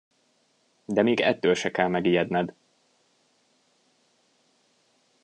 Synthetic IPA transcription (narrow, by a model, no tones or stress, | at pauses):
d̪ɛmiːɡɛ̰t̪ːølʃɛkɛlmɛɡijɛd̪nɛd̪